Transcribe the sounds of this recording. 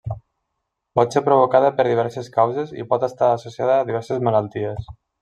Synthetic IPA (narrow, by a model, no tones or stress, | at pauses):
pɔt̪sepɾoβ̞okaðəpəɾðiβɛɾseskawzezḭpɔt̪əst̪aːsosiaðəːðiβ̞ɛɾsezməlalˠt̪ies